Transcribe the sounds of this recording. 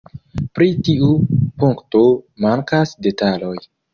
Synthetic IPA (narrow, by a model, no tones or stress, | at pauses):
pɾitiʔupuŋktomaŋkasde̞talo̞j